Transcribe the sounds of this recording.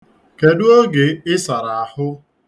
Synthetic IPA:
ke˨dʊ˦o˦ɡe˨ɪ˦sa˨ɾa˨a˨hʊ˦

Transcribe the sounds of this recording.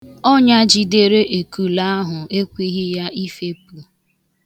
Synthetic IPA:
ɔ˦ɲa˦d͡ʒi˨de˦ɾe˦ʔe˨ku˨la˦a˦ɦʊ˨e˦kʷi˦ɣɪ˦ja˦ʔi˦fe˦p̚u˨

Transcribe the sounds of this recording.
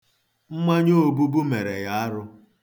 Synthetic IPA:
m̩˦ma˦ɲo˦˨bu˦bu˦me˨ɾe˨ja˦a˦ɾʊ˦

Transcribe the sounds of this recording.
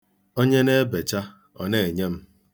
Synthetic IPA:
o˦ɲe˦ne˦be˨t͡ʃa˦ | ɔ̰˨ne˦˨ɲe˦m̩˦

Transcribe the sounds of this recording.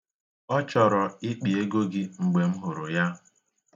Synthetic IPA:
ɔ˦t͡ʃɔ˨ɾɔ˨ɪ˦k͡pi˨e˦ɡo˦ɡɪ˦ŋ͡m̩˨ɡ͡be˨ŋ͡m̩˦ɦʊ˨ɾʊ˨ja˦

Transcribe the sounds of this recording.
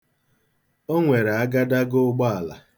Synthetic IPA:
o˦ŋʷe˨ɾe˨a˦ɡa˦da˦ɡʊ˦ɡ͡bɔ˦a˨la̰˨

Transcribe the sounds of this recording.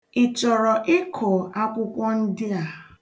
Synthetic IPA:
ɪ˨t͡ʃɔ˨ɾɔ˨ʔɪ˦kʰo˨a˦kʷʊ˦kʷɔ˦n̩˦dɪ˦a˨

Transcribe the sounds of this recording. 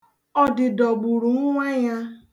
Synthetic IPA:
ɔ˦dɪ˨dɔ˨ɡ͡bu˨ɾu˨˦ŋʷɛ˦ja˦

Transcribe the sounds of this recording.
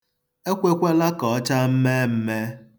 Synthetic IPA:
e˦kʷe˦kʷe˦la˦kɔ˨˦t͡ʃa˦m̩˦me˦m̩˦me˦

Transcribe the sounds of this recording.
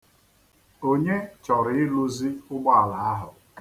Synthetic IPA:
o˦ɲe˦t͡ʃɔ˨ɾɪ˨ɪ˦lu˦zi˦ʊ˦ɡ͡bɔ˦a˨la˨a˦ɦʊ˨

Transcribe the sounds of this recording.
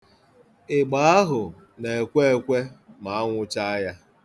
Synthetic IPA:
ɪ˨ɡ͡ba˨˦a˦ɦʊ˨ | ne˨e˨kʷe˦e˦˨kʷe˦ma˨a˦ŋʷʊ˦t͡ʃa˦a˦ja˦

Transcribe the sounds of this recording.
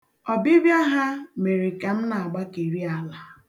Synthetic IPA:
ɔ˨bi˦bja˦ɦa˦me˨ɾi˨ke˨m̩˦na˨a˨ɡ͡ba˦ke˨ɾi˦a˨la˨

